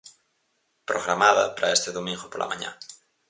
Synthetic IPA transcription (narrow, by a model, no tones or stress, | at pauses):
pɾoɣɾamaðɐpaɾaest̪eðomĩŋɡopolʔa̰ma̰ɲã̰